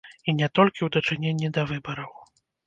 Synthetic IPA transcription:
inʲɛt̪ɔlʲkʲiwd̪ɐt͡ʂɨnʲenʲːid̪ɐvɨbɐɾɐw

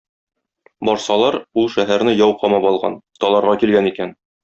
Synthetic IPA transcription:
bɒɾsɑlˠɑɾulˠʃæɦæɾnɘjɒwqɒmɑpɒlˠʁɑ̰nt̪ɒlˠɑɾʁɑkilɡænikæn

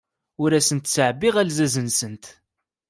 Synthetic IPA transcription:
ʊɾæsənt̪səʕbiʁælzæzənsənt̪

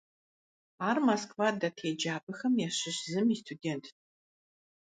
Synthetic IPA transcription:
aːrmaskvadatʰeːd͡ʒaːpʰʼɨxɐmjaɕɪɕzɨmiːstʰudeːntʰ

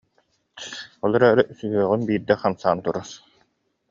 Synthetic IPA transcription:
ɔlˠɔɾaɾɯsyɦyœʁynbiːɾd̪ɛχamsaːnt̪uɾɔɾ

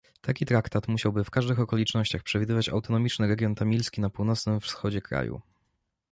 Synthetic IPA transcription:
t̪akʲit̪ɾakt̪at̪muɕawbɘfkaʐd̪ɘxɔkɔlʲit͡ʂnɔɕt͡ɕaxpʂɛvʲid̪ɘvat͡ɕa̰wt̪ɔnɔmʲit͡ʂnɘɾɛɡʲjɔnt̪amʲilskʲinapuwnɔt̪snɘmfsxɔd͡ʑɛkɾa̰jṵ

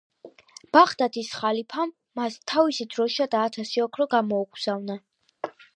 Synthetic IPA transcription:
b̥aχd̪ad̪ʰisχalipʰamːast̪ʰavisid̪ɾɔʃad̪aːt̪ʰasiɔkʰɾɔɡamɔuɡz̥avna

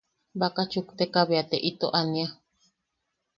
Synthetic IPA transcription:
bakat͡ʃukt̪ekaβeat̪eʔit̪oʔania

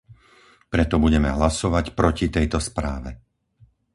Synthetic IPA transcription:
pɾɛt̪ɔbuɟɛmɛɦlasɔʋacpɾɔcit̪ɛjt̪ɔspɾa̰ːʋɛ

